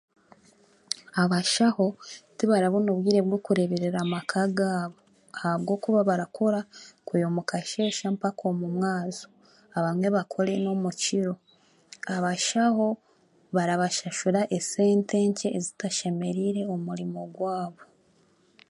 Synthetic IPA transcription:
aβaʃaho̞tiβaɾaβonuβɡiːɾe̞βwokuɾe̞βeɾeɾamakʰaɡaːβo | ahaβɡo̞ːkuβaβaɾakʰoɾakujomukʰaʃe̞ːʃampakʰomumŋaːzo̥ | aβamŋe̞βakʰo̞ɾe̞no̞muciɾo̞ | aβaʃaho̞ | βaɾaβaʃaʃuɾaʔese̞ːnte̞ːɲceːzitaʃe̞me̞ɾiɾe̞omuɾimo̞ɡwaːβo̞

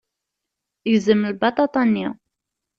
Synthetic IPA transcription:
jəzəmlbɑt̪ˤɑt̪ˤɑnːi

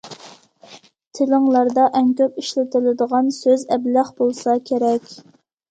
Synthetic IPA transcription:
t̪ʰɪlɪŋlˠɑɾd̪ɑʔɛŋkʲøpiʃlɪt̪ɪlɪd̪əʁɑnsøzɛblæχbolˠsɑkʲʰeɾɛkʲ

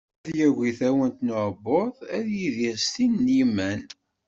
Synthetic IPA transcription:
ðjæɣiθæwənt̪noʕbːoðˤæðjiðiɾst̪inːimæn

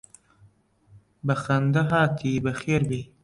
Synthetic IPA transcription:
bɐxɐnd̪ɐɦaːt̪ʰibɐxeːɾbi

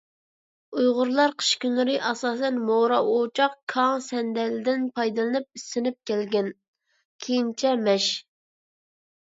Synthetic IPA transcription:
ujʁʊɾlˠɑɾqʰə̥ʃkʲynɨɾɨʔɑsɑːs̬ɛnmoɾɑʔot͡ʃʰɑqkʰɑŋsɛnd̪ɛlɪd̪ɪnpʰɑjd̪ɨlˠɨnɨp̚isːɪnɪp̚kʲʰælɡʲɛn | kʲʰejint͡ʃʰɛmɛʃ

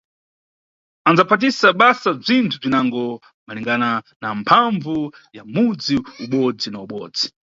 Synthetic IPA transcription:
and͡zapʰat̬isaɓasab͡ʐintʰub͡ʐinaŋɡɔ | maliŋɡana | nampʰaɱvujamud͡ziuɓɔd͡zinauɓɔ̰ːd͡zi̥

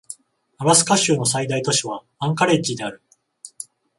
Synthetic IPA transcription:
abasɨ̥kaɕɨːno̞s̬aid̪ait̪o̞ɕiβ̞a | ãŋkaɾe̞t͡ɕid̪e̞aɾɯ̟

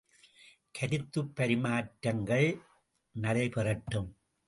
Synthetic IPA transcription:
kʰɐɾɪt̪ːɯpːɐɾɪmaːʈɾɐŋɡɐɭ | nɐlɐɪpɛrɐʈːɯm

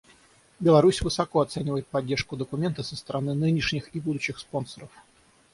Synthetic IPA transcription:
bʲɪlˠɐɾusʲvɨsɐkoɐt̪senʲɪvəjɪt̪̚pɐdʲːe̞rʂkʊd̪əkʊmʲe̞nt̪əsəst̪əɾɐnɨnɨnʲɪʂnʲɪxibud̪ʊɕːɪxspo̞nsəɾəf

